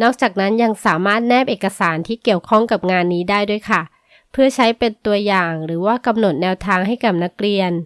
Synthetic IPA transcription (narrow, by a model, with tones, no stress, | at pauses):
nɔː˥˩k̚t͡ɕaː˨˩k̚na˦˥nja˧ŋsaː˩˦maː˥˩t̪̚nɛː˥˩p̚ʔeː˨˩ka˧saː˩˦nt̪ʰiː˥˩ki˨˩əwkʰɔ˥˩ŋka˨˩p̚ŋaː˧nːiː˦˥daː˥˩jdu˥˩əjkʰa˥˩ | pʰɯ˥˩ɐt͡ɕʰa˦˥jpe˧nt̪u˧ɐjaː˨˩ŋɾɯː˩˦waː˥˩ka˧mno˨˩t̪̚nɛː˧wt̪ʰaː˧ŋɦa˥˩jka˨˩p̚na˦˥kɾi˧ən